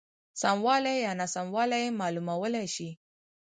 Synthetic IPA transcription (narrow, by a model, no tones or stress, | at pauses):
samwalajanasamwalajemalumawəlaʃi